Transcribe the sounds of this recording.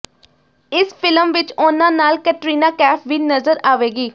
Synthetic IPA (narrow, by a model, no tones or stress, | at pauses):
ɪspʰɪləmʋɪt͡ʃʊnãːnaːlkəʈɾiːnaːkɛːpʰʋiːnəzəɾaːʋeːɡiː